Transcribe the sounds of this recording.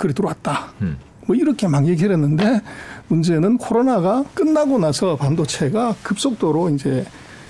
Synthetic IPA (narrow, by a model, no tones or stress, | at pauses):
kɯɾituɾowat̚t͈a | mʌiɾʌkʰe̞maŋjeɡiɾenːɯnde̞mund͡ʑe̞nɯnkʰoɾonaɡak͈ɯnːaɡonasʰʌpandot͡ɕʰe̞ɡakɯp̚s͈ok̚t͈oɾoind͡ʑe̞